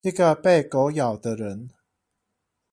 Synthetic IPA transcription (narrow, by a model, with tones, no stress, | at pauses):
i˥˩ɡə˨pe˥˩ɪko˧˦ʊjɑ˨˩ʊd̪ə˦ɻə˨˦n